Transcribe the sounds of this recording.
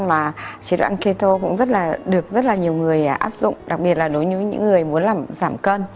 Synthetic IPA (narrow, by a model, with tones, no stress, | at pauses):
nmaː˨˩t͡ɕi˨˦ɗwa̰ː˧nki˧t̪o˧kʊ̰˧˥ŋ͡mzə˦˥t̚laː˨˩ɗɨ˨˩ək̚zə˦˥t̚laː˨˩ɲi˨˩əwŋɨ˨˩əjʔaː˦˥p̚zʊ̰˧˨ŋ͡mɗa˨˩k̚ɓi˨˩ət̚laː˨˩ɗo˨˦jɲɨ˨˦ɲɨ̰˧˥ŋːɨ˨˩əjmu˨˦ənlaː˨˩mzaː˧˩mkəː˧n